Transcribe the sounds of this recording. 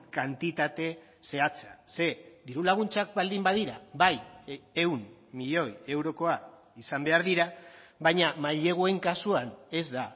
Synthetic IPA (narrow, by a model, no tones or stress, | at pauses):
kant̪it̪at̪e̞ | se̞at͡sase̞d̪iɾulaɣ̞unt͡sak̚bald̪imbaðiɾaβajewmmiʎo̞je̞wɾo̞ko̞a | isambe̞aɾðiɾa | βajɲamaʎe̞ɣ̞ue̞ŋkasuane̞zd̪a